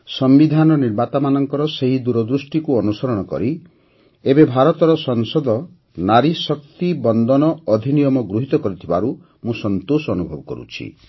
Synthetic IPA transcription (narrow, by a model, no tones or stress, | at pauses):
sɔmbid̪ʱanɔniɾmat̪amanɔŋkɔɾɔseɦid̪uɾɔd̪ɾusʈikuɔnusɔɾɔɽ̃ɔkɔ̰ɾi | ebebʱaɾɔt̪ɔɾɔsɔŋsɔd̪ʱɔ | naɾisɔk̚t̪ibɔnd̪ɔnɔɔd̪ʱinijɔmɔɡɾuɦit̪ɔkɔɾit̪ʰibaɾu | mũsɔnt̪osɔːnubʱɔbɔkɔ̰ɾṵt͡ʃʰḭ